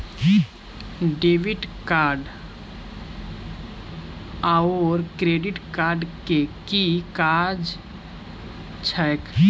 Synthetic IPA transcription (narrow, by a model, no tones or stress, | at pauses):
ɖeːʋɪʈkaːɾɖ | aoɾkɾeːɖɪʈkaːɾɖkekikaːɾd͡ʒ | t͡ʃʰɛk